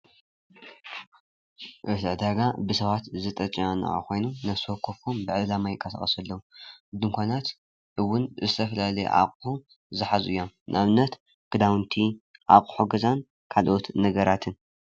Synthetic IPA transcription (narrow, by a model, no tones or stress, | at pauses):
ʔɨt̪ʕd̪aɡabɨsɐβat̪zɨt̪ʼɐt͡ʃʼiana̰a̰kʷo̞jnunɐsokʰːo̞fombɨʕɨlamajɪkʼːɐsɐ̰χʼɐsɐlːɐwuɨd̪ɨŋkʷʰanat̪ | ʔɨwːʊnzɨt̪ʰɐfɐlalɐj̰ʔa̰kʼħu | zɨħazuɨjːomnʔaβɨnːɐt̪ | ɡ̥ɨd̪awɨnt̪ʰiʕa̰kʼħoɡɐzan | kʰalʔot̪nɐɡɐɾat̪ʰɨn